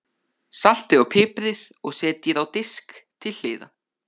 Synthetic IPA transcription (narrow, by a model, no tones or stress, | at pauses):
sal̥t̪ɪðawpʰɪːpɾɪðɔɣsɛːt̪jɛðawt̪ɪskt̪ʰɪlh̪ɪ̰ːða̰